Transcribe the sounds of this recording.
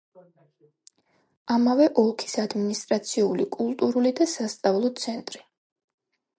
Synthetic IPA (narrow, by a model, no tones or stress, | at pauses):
amavɛʔɔlˠkʰi̥sad̪minist̪ʼɾat̪sʰiulikʼulˠt̪ʼuɾulid̪asast̪sʼavlˠɔt̪sʰɛnt̪ʼɾi